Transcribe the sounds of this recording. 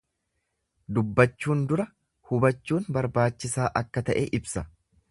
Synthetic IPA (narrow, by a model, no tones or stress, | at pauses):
d̪ʊbːɐt͡ʃːuːnd̪ʊɾɐ | hʊbɐt͡ʃːuːnbɐɾbaːt͡ʃːɪsaːʔɐkːɐt̪ɐʔḛːʔɪbsɐ